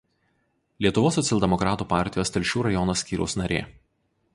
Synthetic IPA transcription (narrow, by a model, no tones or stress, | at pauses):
lʲiɛt̪ʊʋoːsːɔt̪sʲɛlˠʲd̪ʲɛmɔkɾɑːt̪uːpɑˑɾʲt̪ʲɪjoːst̪ʲɛlʲʃʲuːɾɐjɔnɐsʲkʲiːɾʲɛ̰ʊsnɐɾʲḛː